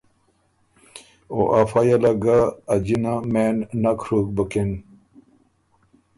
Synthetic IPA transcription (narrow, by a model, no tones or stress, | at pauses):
o̰ʔafajalaɡaːd͡ʑinamenːakʰɾuk̚bəken